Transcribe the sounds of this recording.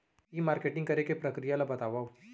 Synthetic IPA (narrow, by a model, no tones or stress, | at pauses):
imaːɾkeːʈɪ̃ŋɡkɐɾekepɾɐkɾijalabɐt̪aːʋao